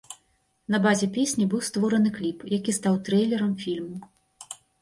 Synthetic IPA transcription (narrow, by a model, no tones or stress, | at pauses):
n̪ɐbazʲɛpʲesʲnʲibɨwst̪vɔɾɐnɨklʲipjakʲist̪awt̪ɾɛjlʲɛɾɐmfʲilʲmu